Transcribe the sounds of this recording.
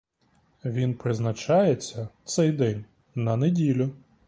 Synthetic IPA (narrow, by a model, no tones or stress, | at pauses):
ʋʲinpɾɪznɐt͡ʃɑjet͡sʲːɐt̪sɛjd̪ɛnʲ | nɐnedʲilʲʊ